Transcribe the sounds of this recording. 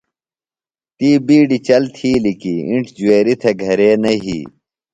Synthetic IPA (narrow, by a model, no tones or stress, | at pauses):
t̪iːbiːɖit͡ɕɐlt̪ʰiːlikiiɳʈʰd͡ʑueːɾit̪ʰeɡʱɐɾeːnɐɦḭː